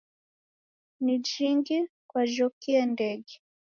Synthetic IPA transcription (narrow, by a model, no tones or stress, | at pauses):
nid͡ʒiŋɡikwaʒɔkiɛndɛɡɛ